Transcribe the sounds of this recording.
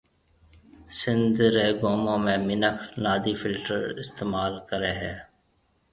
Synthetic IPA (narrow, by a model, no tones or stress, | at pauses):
sɪ̃nd̪ɾeːɡoːmõːmẽːmɪnəkʰnaːd̪iːfʰɪlʈəɾɪst̪eːmaːlkəɾeːɦɛː